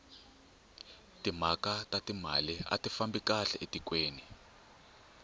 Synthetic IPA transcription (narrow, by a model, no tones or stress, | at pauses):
timakatʼatima̰lia̰tifambikaɬɛʔetikʼweːni